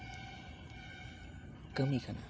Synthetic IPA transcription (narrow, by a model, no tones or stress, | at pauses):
kəmikʰana̰